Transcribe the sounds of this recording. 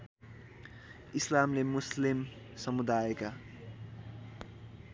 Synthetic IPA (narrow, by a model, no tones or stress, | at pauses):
islamlemuslim | sʌmud̪ajeka